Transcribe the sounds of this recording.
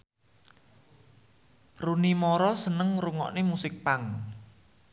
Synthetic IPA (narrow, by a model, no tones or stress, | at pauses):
runimɔɾɔsənəŋruŋɔ̰ʔnemusɪk̚paŋ